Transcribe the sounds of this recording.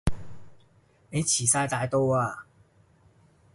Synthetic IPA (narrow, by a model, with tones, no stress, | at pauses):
e˧˥jt͡ɕʰi˨˩sa˥˧jt̪a˧jt̪o˥wa˨˧˩